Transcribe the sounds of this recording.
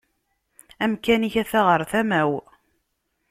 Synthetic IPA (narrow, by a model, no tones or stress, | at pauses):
æmkæniçæθæʁəɾˤθæmæw